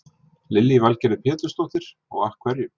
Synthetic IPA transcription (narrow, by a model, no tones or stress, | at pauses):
lɪlːiːvalcɛɾɪpʰɛːt̪lʏst̪owht̪ɪɾ̥ | ɔ̰ɣahkʰvɛɾjʏm